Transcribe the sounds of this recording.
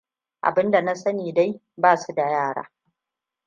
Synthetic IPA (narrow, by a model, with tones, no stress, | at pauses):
ʔa̰˨bɪ˦nda˨na˦sɐ˦niː˨da˦j | baː˦˨su˦da˨jaː˦˨ɽa̰ː˦